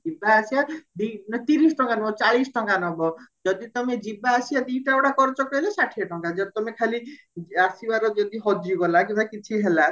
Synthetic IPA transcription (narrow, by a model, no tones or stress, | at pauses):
d͡ʒibaːsiad̪inat̪iɾisʈɔŋkanɔbɔt͡ʃaɭisʈɔŋkanɔbɔd͡ʒɔd̪it̪ɔmed͡ʒibaːsiad̪iʈaoʈakɔɾt͡ʃɔkɔilesaʈʰieʈɔŋkad͡ʒɔt̪ɔmekʰali | asibaɾɔd͡ʒɔd̪iɦɔd͡ʒiɡɔlak̬ibakit͡ʃʰiɦela